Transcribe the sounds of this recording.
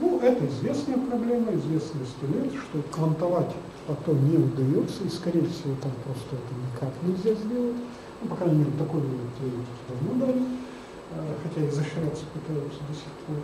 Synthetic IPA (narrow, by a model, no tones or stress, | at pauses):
nuʔɛt̪əɪzvʲe̞snəjəpɾɐblʲe̞məɪzvʲe̞snɨjəst̪ɐlʲet̪ʂt̪oklˠənt̪ɐvatʲ | pɐt̪onʲeʊd̪ɐjot̪səiskɐɾʲejəfsʲɪvo̞t̪ampɾo̞st̪əɛt̪ənʲɪkaknʲɪlʲzʲazʲdʲe̞lˠətʲ | nupɐkɾanʲɪmʲeɾʲɪt̪ɐko̞jlʲumʲɪt̪tʲɪɐɾʲetʲɪ̥kʲɪd̪ɐvnod̪alʲɪ | xɐtʲaɪzəɕɾʲat̪sə̥pɨt̪ajʊt̪səd̪əsʲɪxpʰo̞r